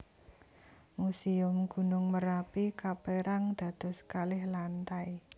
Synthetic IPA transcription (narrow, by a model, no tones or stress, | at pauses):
musiʊmɡ̥ṳnʊŋməɾapikapeɾaŋd̪̥ä̤d̪̥ɔ̤skalɪhlant̪aj